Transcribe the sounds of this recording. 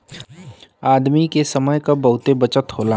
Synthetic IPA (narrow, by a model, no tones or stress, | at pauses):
aːd̪mikesɐməjkabɐɦʊt̪ebɐt͡ʃət̪ɦoːlaː